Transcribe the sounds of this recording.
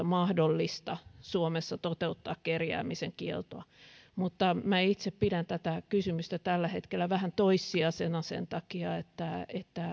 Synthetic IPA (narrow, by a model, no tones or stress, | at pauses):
mɑhdolːist̪ɑsuomesːɑt̪ot̪eut̪ːɑːkkerjæ̰ːmiseŋkiḛlt̪oɑmut̪ːɑmæit̪seppidænt̪æt̪ækysymyst̪æt̪ælːæhet̪kelːæʋæhænt̪oisːiɑsenɑsḛnt̪ɑkiɑet̪ːæet̪ːæ